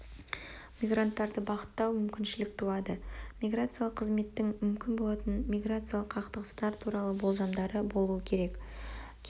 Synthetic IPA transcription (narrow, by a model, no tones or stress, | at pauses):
mʲijɡrant̪ːɑɾd̪əbɑʁət̪ːɑwmʏmkʲɪnʃɪlɪk̚t̪ʰuɑd̪əmʲijɡrat̪sɨjalˠəqʰːəzme̞t̪ːɪŋmʏmkʲɪnbo̞lˠɑt̪ənmʲijɡrat̪sɨjalˠəqʰɑqt̪əʁəst̪ɑɾt̪ʰuɾɑlˠəbo̞lˠzɑmd̪ɑɾəbo̞lˠuəkʲʰe̞ɾe̞kkʲʰ